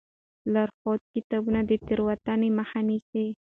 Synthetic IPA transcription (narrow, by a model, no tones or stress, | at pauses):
laɾxɔt̪̚kit̪abunad̪ət̪əɾwat̪anemahanise